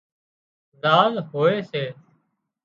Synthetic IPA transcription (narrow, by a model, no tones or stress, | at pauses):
zaːlɦoːeːseː